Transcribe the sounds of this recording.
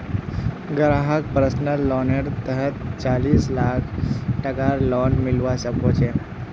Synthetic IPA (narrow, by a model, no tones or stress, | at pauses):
ɡəɾaɦak̚pɾəsnəlɔneɽt̪əɾət̪̚t͡saliːslakʰʈəkaɾlɔnmilʋasəkot͡ɕʰe